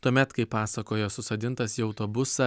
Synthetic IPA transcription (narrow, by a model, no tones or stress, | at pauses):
t̪uɔmʲɛt̪kɐɪpɑːsɐkoːjoːsʊsɐd̪ʲɪnt̪ɐsjiɐʊt̪oːbʊsɐ